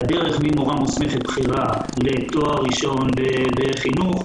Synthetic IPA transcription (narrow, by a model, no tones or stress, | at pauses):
d̪eʁeχmimoʁamusmeχet̪̚bχiʁalet̪oaʁiʃo̞nbebeχinuχ